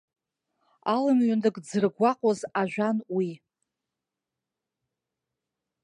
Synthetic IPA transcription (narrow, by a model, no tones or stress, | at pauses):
alɨmɥandɨɡʼd͡zɨrɡʷaqʼozaʒᶣʷanwi